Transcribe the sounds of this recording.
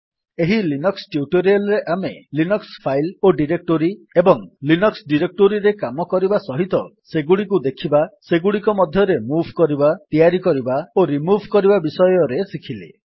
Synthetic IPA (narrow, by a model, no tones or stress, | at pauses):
eɦilinɔksʈjuʈoɾialɾeʔamelinɔkspʰajloɖiɾek̚ʈoɾiebɔŋlinɔksɖiɾek̚ʈoɾiɾekamɔkɔɾibasɔɦit̪ɔseɡuɽikud̪ekʰibaseɡuɽikɔmɔd̪ʱjɔɾemubʱkɔɾibat̪ijaɾikɔɾibaoɾimubʱkɔɾibabisɔjɔɾesikʰilḛ